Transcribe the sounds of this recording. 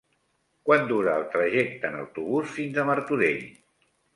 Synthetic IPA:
kwand̪uɾəːlˠt̪ɾəʒɛk̚t̪əːnə̰wt̪uβusfinzəməɾt̪uɾeʎ

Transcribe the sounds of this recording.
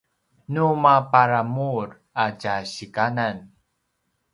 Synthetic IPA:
numapaɾamuɾ | aɟaɕikanan

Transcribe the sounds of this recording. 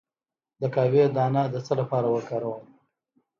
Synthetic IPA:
d̪əkɑwed̪ɑːnad̪ət͡səlapɑɾawəkɑɾawəm

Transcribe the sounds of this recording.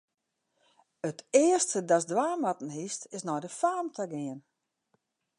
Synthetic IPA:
ətɪəstədɔs̬dwaːmatn̩histɪsnɔjdəfaːmtʰəɡɪən

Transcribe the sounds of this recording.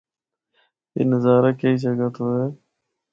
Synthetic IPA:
ḭːnəzaːɾaːkeiːd͡ʒəɡət̪oːeː

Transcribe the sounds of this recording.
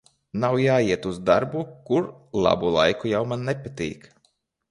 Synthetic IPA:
nawjaːiɛt̪uzd̪aɾbukuɾlˠa̰bulˠa̰jkujawmanːɛpat̪ḭːk

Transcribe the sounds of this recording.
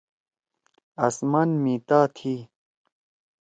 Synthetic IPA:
asmanmiːt̪aːt̪ʰiː

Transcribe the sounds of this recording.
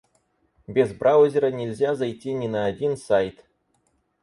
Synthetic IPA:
bʲɪzbrʔawzʲɪɾənʲɪlʲzʲazajtʲinʲɪnɐːdʲinsajt̪

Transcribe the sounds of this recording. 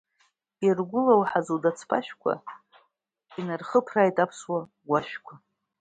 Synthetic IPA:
irɡʷʊlawħazɨldat͡sʰpʰa̰ʃᶣkʷʰa̰ | inarχəpʰraːjtʼapʰswa | ɡʷaʃᶣkʷʰa

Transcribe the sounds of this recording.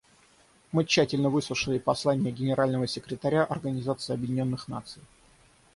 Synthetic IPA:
mɨt͡ɕːætʲɪlʲnəvɨslˠʊʂɨlʲɪpɐslˠanʲɪjəɡʲɪnʲɪɾalʲnəvəsʲɪkɾʲɪt̪ɐɾʲaʔɐrɡənʲɪzat̪sɨɪɐbjɪdʲɪnʲo̞nːɨxna̰t̪sɨj

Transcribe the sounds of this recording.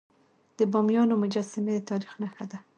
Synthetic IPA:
d̪̥əbɑmjɑnomʊd͡ʒɑsamed̪ət̪ɑɾixnaxad̪a

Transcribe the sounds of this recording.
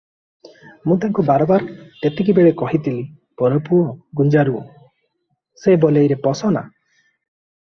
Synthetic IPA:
mũt̪aŋkubaɾɔbaɾet̪ek̬ibeɭekɔɦit̪ʰili | pɔɾɔpuɔɡund͡ʒaɾu | sebɔlejɾepɔsɔna̰

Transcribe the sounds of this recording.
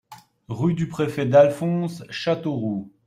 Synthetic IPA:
ʁyd̪ypχefɛd̪alfɔ̃sʃat̪oʁu

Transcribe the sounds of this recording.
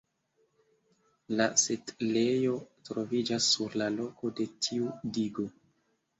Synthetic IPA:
lasetlejo̞tɾovid͡ʒasːuɾlalo̞ko̞de̞tʰiudiɡo̞

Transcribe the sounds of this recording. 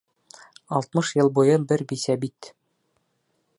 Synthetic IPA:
ɒlˠt̪mɤʃjɤlˠbujɤbɘɾbisæbit̪

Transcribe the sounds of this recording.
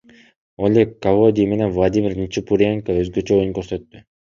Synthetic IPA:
olʲekːavod̪ʲijme̞nenvlˠad̪ʲimʲɪrnʲit͡ʃipuɾʲeŋkoøzɡø̞t͡ʃøo̞juŋkø̞ɾsøt̪ːy

